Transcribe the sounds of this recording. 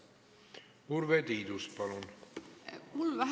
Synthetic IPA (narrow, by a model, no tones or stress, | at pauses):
uɾved̪iːd̪uspɑlun | mulʋæɦ